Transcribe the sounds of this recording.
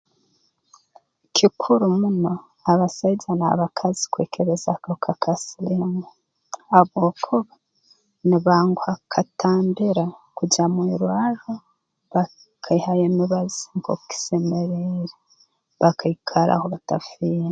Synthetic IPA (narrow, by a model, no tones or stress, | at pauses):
kʰikʰuɾumuno̞ | aβasaɟanaβakʰazi̥kweːkʰeɾezakakʰakʰasiliŋa | aβokʰoβa | niβaːŋɡoakʰatʰaːmbiɾakuɟamwiɾwaɾo | βa | kʰaihajemiβaziŋɡoki̥semeɾeɾe | βakʰaikʰaɾa̰hoβatafija